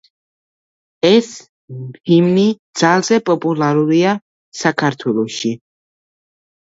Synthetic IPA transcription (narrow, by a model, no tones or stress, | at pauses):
ɛs | pʰimnid̪z̥alˠzɛpʼɔpʼulˠaɾuɾia | sakʰaɾt̪ʰwɛlˠɔʃi